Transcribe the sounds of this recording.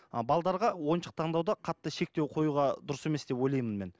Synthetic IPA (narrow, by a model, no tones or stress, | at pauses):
bɑlˠd̪ɑɾʁɑwo̞nʃə̥q̚t̪ʰɑɴd̪ɑwd̪ɑqʰɑt̪ːəʃe̞k̚t̪e̞wqʰo̞juʁɑd̪ʊɾəse̞mesd̪̥e̞pwo̞jlˠɑjmənme̞̰n